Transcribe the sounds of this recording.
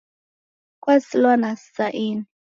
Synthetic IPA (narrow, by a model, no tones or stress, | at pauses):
kwasilwanassaʔini